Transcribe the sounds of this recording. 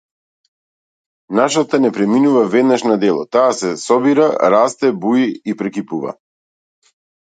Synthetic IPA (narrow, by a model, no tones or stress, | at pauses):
naʃat̪anɛpɾɛminuvavɛd̪naʃnad̪ɛlˠɔ̰t̪aːsɛsɔbiɾaɾast̪ɛbuiipɾɛkipuva̰